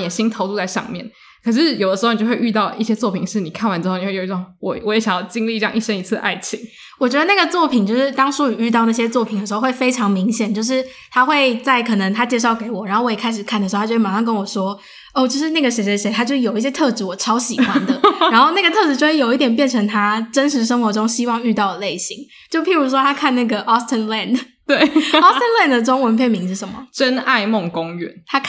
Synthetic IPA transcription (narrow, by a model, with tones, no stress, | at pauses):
ɛ˨˩ɕi˥nt̪ʰo˧˥ʊt̪u˥˧t͡sa˥˧ɪʂɑ̰˥˧ŋmjɛ˥˩n | kʰə˨˩ʂɻ̩˥˩jo˨ʊd̪ə˩ʂɻ̩˧˥ni˨˩o˥˧xwe˥˧y˥˧t̪ɑ˥˧ʊḭ˥˩ɕjɛ˥t͡swɔ˥˩pʰi˨˩nʂɻ̩˥˩ni˨˩kʰa˥˩nwa˧˦nʈ͡ʂɻ̩˥o˥˩ni˧˥wo˥˩˥ŋwɔ˨˩wɔ˦jɕjɑ˨˩ŋjɑ˥˧˩ʊt͡ɕi˥ŋli˥˧˥jɑ̰˥˧ŋi˥˩ʂə˥ŋi˧˥t͡sʰɹ̩˥˩ə˩ʔa̰˥˩ɪt͡ɕʰi˧˦ŋ | wɔ˨˩t͡ɕɥɛ˧˥də˧na˥˩ɡə˩t͡swɔ˥˩pʰi˨˩nt͡ɕjo˥˧ʊʂɻ̩˥˩t̪ɑ˥ŋʂu˥˧y˨˩y˥˧t̪̬ɑ˥˧ʊna˥˩ɕjɛ˥t͡swɔ˥˩pʰi˨˩nd̪ʂ̩ɻ̩˧xo˥˧xwe˥˩fe˥ɪʈ͡ʂʰɑ˧˥ŋmi˧˥ŋɕjɛ˨˩nt͡ɕjo˥˧ʊʂ̬ɻ̩˥˩ | t̪ʰa˥xwe˥˧ɪt͡sa˥˩ɪkʰɤ˨˩nə˧˦ŋt̪ʰa˥t͡ɕjɛ˥˧ʂ̬ɑ˥˩ʊke˧˥ɪwɔ˨˩ɻa˧˥nxo˥˩wɔ˦˥jkʰa˥ɪʂ̬ɻ̩˨˩kʰndə˩ʂ̩ʰ˧˥˧m˨˩ma˥˧kə˦˥nwɔ˨˩ʂwɔ˥ | o˥˧t͡ɕjo˥˧ʊʂɻ̩˥˧na˥˩ɡə˩ɕɥɛ˧˥˧ɕɛ˧˥t̪ʰa˥t͡ɕjʂɻ̩˥˩o˨˩i˥˩ɕjɛ˥t̪ʰɤ˥˧ʈ͡ʂɻ̩˧˥wɔ˨˩ʈ͡ʂʰɑ˥ʊɕi˨˩xwa˩˥nd̪ə˨a˧˥nxo˥˧ʊna˥˩ɡə˩t̪ʰɤ˥˩ʈ͡ʂɻ̩˧˥t͡ɕjo˥˧ʊʂɻ̩˥˩jo˨˩ʊi˥˩jɛ˨˩npjɛ˥˩nʈ͡ʂʰə˧˥ŋt̪ʰa˥ʈ͡ʂə˥nʂɻ̩˧ʂ̬ə˥ŋxwɔ˧˥ʈ͡ʂʊ˥ŋɕi˥wɑ˥˧ŋy˥˧t̪ɑ˥˩ʊdə˩le˥˩ɪɕi˧˥˦ŋ | t͡ɕjo˥˧ʊpʰi˨˥˩ɻu˧˥ʂ̬wɔ˥t̪ʰa˥kʰa˥˧nna˥˩ɡə˩ʔɔ˥st̪ʰə˥nlɛ˥˩n | t̪we˥˩ɪɔ˥stə˥nlɛ˥˩nd̪ə˩ʈ͡ʂʊ˥ŋwə˧˥npʰjɛ˥˩nmi˧ŋʂɻ̩˥˩ʂə˨˩nmə̰˩ʈ͡ʂə˦˥na˥˧ɪmo˥˩ŋkʊ˥ŋɥɛ̰˨˩˦t̪ʰa˥kʰ